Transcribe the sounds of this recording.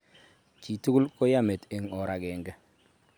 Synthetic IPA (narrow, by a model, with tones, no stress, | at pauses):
ki˨tu˦lkɔ˦ja˦me˨te˨ŋɔ˨ɾa˨ɡɛ˨ŋɡɛ˦